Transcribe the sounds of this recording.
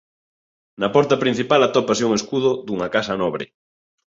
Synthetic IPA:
nɐpɔɾt̪ɐpɾin̟θipalɐt̪ɔpas̬euŋeskuð̞ʊd̪uŋɐkasɐnɔβɾɪ̰

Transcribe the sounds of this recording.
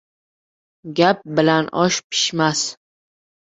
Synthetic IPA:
ɡʲap̚bɪlanɒʃpʰɪ̥ʃmas

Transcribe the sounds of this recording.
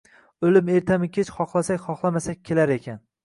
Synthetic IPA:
olɪme̞ɾt̪ʰamɪkʲʰet͡ʃχɒχlˠasakʲχɒχlˠamasak̚ʲkʲʰːelaɾe̞kʲʰan

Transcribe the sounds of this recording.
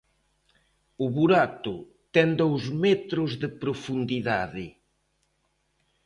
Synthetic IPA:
ʊβuɾat̪ʊ | t̪ɛnd̪owzmɛt̪ɾʊzðɪpɾofund̪iðaðɪ

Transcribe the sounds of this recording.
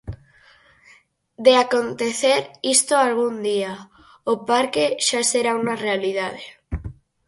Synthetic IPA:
d̪eakont̪eθeɾist̪oalɣ̞und̪ia | opaɾkeʃaseɾaunarealiðað̞e

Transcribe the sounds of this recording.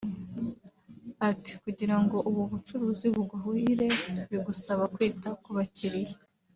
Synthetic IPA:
ati̥kuɟiɾaŋɡo̞ʔuβuβut͡ʃuɾuːziβuɡaɦuiɾe̞βiɡusaβakwiːtakuβaciɾije̥

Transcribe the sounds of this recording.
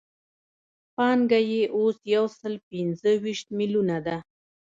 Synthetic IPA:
pɑŋɡajeʔosjawsəlpɪnzəwiʃt̪̚milunad̪a

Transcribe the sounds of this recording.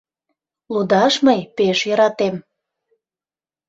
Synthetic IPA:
lud̪ɑʃməjpeʃjəɾɑt̪em

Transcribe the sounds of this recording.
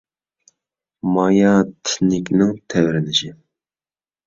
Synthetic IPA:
mɑjɑt̪ʰɪ̥nɪkʲnɪŋt̪ʰɛwɾɪnɪʃɪ

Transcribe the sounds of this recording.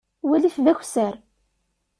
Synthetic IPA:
wælifðæçʷsəɾ

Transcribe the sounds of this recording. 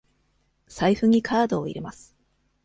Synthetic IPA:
saiɸɯ̟ɲ̟ikʰaːd̪o̞ːḭɾe̞masɨ̥

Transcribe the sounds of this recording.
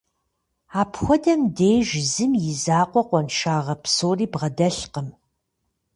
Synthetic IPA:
aːpxʷɔdɐmdejʒɪzɨmjɪzaːqʷɔqʷɔnʃaːʁɐpsoːriːbʁɐdɐɬqəm

